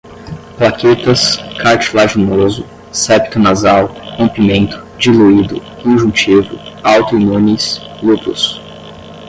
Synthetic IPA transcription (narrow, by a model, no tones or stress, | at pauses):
plaket̪ɐskʰaɾt͡ʃilaʒinozʊ | sɛpt̪ʊnazawkõmpimẽnt̪ʊ̥d͡ʒiluid̪ʊ̰kõʒũt͡ʃivʊ̰awt̪ʊinũnis | lupʊ̰s